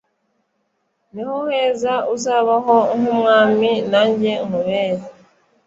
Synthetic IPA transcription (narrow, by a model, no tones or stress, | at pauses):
nihoheːzauzaβaɦoŋhumŋaːminaːɲɟeŋhuβeːza